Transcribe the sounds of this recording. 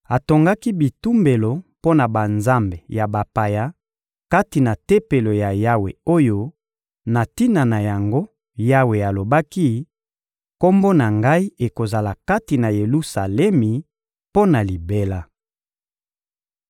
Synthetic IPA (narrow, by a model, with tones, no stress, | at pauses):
a˨to˨ŋɡa˦ki˦bi˨tu˦mbe˨lo˨po˦na˨ba˨nza˦mbe˨ja˨ba˨pa˨ja˦ | ka˦ti˨na˨te˦pe˨lo˨ja˨ja˦we˨o˦jo˦ | na˨ti˦na˨na˨ja˨ŋɡo˦ | ja˦we˨a˨lo˨ba˦ki˦ | ko˦mbo˦na˨ŋɡa˦i˦e˨ko˨za˨la˨ka˦ti˨na˨je˨lu˦sa˨lɛ˦mi˨ | po˦na˨li˨be˦la˦